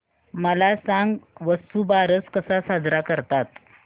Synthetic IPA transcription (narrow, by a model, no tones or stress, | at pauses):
məlasaŋɡʋəst̪ubaɾət͡skəsasad͡zɾakəɾt̪at̪